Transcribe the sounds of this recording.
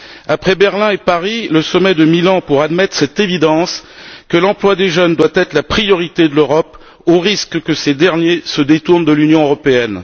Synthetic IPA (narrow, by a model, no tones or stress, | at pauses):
apχɛbɛʁlɛ̃epaʁiləsɔmɛd̪əmilɑ̃puʁad̪mɛt̪χsɛt̪evid̪ɑ̃skəlɑ̃plwad̪eʒənd̪wat̪ɛt̪χəlapχijɔʁit̪ed̪əløʁɔp | oʁiskkəsed̪ɛʁnjesəd̪et̪uʁnd̪əlynjɔ̃øʁɔpeɛn